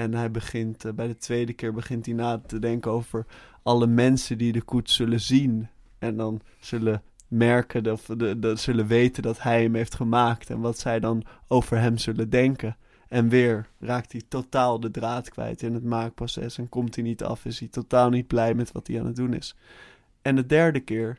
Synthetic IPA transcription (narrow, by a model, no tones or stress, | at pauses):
ɛnɦɛjbəχɪntbɛjdətʋejdəkɪːɹbəχɪntɦinaːtədɛŋkəowvəɹʔɑləmɛnsəndidəkutsɵləzin | ʔɛndɑn | z̥ɵlə | mɛɹkəɔfz̥ɵləʋejtəndɑtɦɛjɦəmɦejftχəmaːktɛ̰nʋɑtsɛjdɑnowvəɹɦɛmzɵlədɛŋkə | ɛnʋɪːɹraːk̚tɦitotaːlˠdədraːtkʋɛ̰jtɪnɦətmaːk̚prosɛ̰sɛnkɔmtinitɑ̰fɪsitotaːlˠnid̚blɛjmɛtʋɑ̰tdiaːnət̚dunɪ̰s | ɛndədɛɹdəkɪːɹ